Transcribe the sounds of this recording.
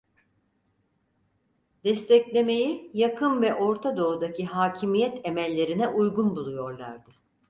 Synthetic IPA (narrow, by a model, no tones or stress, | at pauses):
d̪̥ɛst̪ʰɛclʲe̞me̞jijakʰɯnvɛʔo̞ɾt̪ʰad̪o̞ud̪acʰiɦaːcʰimijɛt̪ʰemɛlʲːe̞ɾinɛʔujɡunbulˠujo̞ɾlˠa̰ɾd̪ɯ